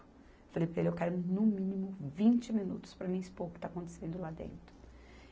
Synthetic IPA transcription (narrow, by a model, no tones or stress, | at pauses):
falejpɾɐelewkɛɾʊnʊmĩnimʊvĩnt͡ʃɪminṵt̪ʊ̥spɾɐmĩɲɪspohkɪt̪akõnt̪e̥sẽnd̪ʊlad̪ḛ̃nt̪ɾʊ̥